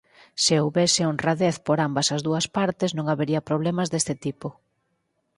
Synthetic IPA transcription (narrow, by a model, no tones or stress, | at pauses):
sɪowβesɪonraðeθpoɾambɐsɐzðuɐspaɾt̪ɪznõŋaβeɾiɐpɾoβ̞lɛmɐzðest̪ɪt̪ipʊ